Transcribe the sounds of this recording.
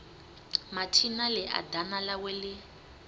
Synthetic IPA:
matʰinalɪʔa̰danalawɛlɪ

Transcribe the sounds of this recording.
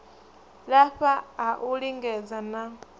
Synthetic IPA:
laɸaːʔuliŋɡɛzana

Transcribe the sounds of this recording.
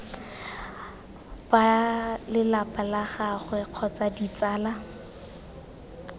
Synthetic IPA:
palɪlapʼalaχaχwɛq͡χʰɔt͡sadit͡saːla

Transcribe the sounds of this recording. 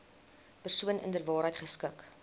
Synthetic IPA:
pərsuənə̰ndərvɑːɾɦəjtχəskək

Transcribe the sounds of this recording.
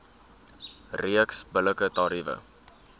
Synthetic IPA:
riəksbələkətɑɾivə̰

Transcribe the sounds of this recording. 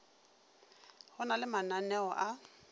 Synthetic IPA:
hʊnalɪmananɛɔʔa

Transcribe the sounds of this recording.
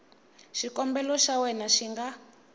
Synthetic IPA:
ʃikɔmbɛlɔʃawɛnaʃiŋɡa

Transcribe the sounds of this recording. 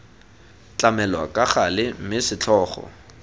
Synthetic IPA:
t͡ɬʼamɛlwa̰kʼaχalɪm̩mɪsɪt͡ɬʰɔːχɔ̰

